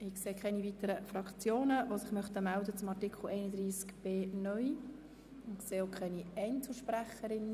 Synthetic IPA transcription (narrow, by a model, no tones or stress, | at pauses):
ɪkseːkʰɛnivit̪əɾəfrɑkt͡sjoːnəʋosɪχmœχt̪əmældət͡sʊmɑrtɪkχl̩ɛɪnəd̪ɾiːskb̥eːnœʏ | nkseːokʰχɛniɛɪnt͡sl̩ʃpɾæχəɾɪn